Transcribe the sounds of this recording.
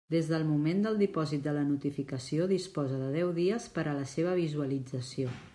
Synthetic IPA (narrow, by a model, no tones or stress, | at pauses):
d̪ezðəlˠmumend̪əlˠd̪ipɔzit̪̚d̪ələnut̪ifikəsioðispɔzəðəðɛwðiəspəɾələseβ̞əβ̞izuəlid͡zəsio